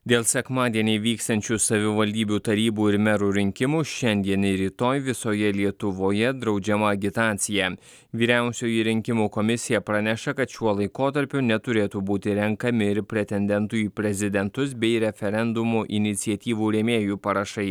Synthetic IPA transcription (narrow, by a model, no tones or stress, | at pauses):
d̪ʲeːlˠsʲɛkmɑːd̪ʲiɛnʲɛɪʋʲiːkst̪ɐnʲt͡ʃʲuːsɐʋʲɪʋɐlʲd̪ʲiːbʲuːt̪ɐɾʲiːbuːɪɾmʲɛɾuːɾʲɪŋʲkʲɪmuʃʲɛnʲd̪ʲiɛnɪɾʲiːt̪oːjʋʲɪsoːjɛlʲiɛt̪ʊʋoːjɛd̪ɾɒʊd͡ʒʲɛmɐɐɡʲɪt̪ɑːt̪sʲɪjæː | ʋʲiːɾʲæˑʊsʲuːjiɾʲɪŋʲkʲɪmuːkɔmʲɪsʲɪjɛpɾɐnʲɛʃɐkɐt̪ʃʲuɔlˠɐɪkoːt̪ɐɾʲpʲʊnʲɛt̪ʊɾʲeːt̪uːbuːt̪ʲɪɾʲɛŋkɐmʲɪɪɾpʲɾʲɛt̪ʲɛnʲd̪ʲɛnt̪uːiːpʲɾʲɛzʲɪd̪ʲɛnt̪ʊsbʲɛɪɾʲɛfʲɛɾʲɛnd̪ʊmuʔɪnʲɪt̪sʲiɛt̪ʲiːʋuːɾʲeːmʲeːjuːpɐɾɐʃɐɪ